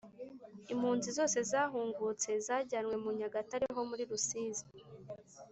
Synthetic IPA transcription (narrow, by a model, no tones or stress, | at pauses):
im̥huːnzizo̞ːse̞zaːɦuːŋɡut͡se̞zaːɟanwe̞muɲaɡataɾeɦo̞muɾiɾusiːzi